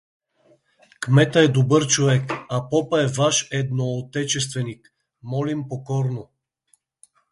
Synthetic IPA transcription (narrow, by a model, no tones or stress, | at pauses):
kmɛt̪əɛd̪obəɾt͡ʃovɛkapɔpɐɛvaʃɛd̪noːt̪ɛt͡ʃɛst̪vɛnik | mɔlimpokɔɾno